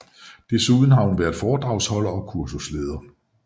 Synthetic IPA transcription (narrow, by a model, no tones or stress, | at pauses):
d̥e̝suːð̞ˠn̩ɦɑ̈hunʋæɐðˠfɒːd̥ʁɑ̈ʊshɒ̽lɐɒ̽kʰuɐsusleːð̞ˠɐ